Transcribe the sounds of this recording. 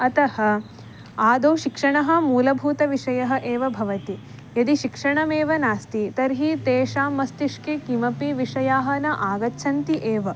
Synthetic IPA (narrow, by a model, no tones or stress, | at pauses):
ɐt̪ɐhɐ̆ | aːd̪oːʃikʂɐɳɐɦɐ̆muːlɐbʱuːt̪ɐʋiʂɐjɐɦɐ̆ʔeːʋɐbʱɐʋɐt̪i | jɐd̪iʃikʂɐɳɐmeːʋɐnaːst̪it̪ɐɾɦit̪eːʂaːmːɐst̪iʂkekimɐpiʋiʂɐjaːɦɐnɐʔaːɡɐtːʃʰɐnt̪iʔeːʋɐ